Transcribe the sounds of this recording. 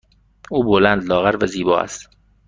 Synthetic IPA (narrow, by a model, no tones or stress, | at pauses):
uːbolænd̪lɒːɣæɾvæziːbɒːæ̰st̪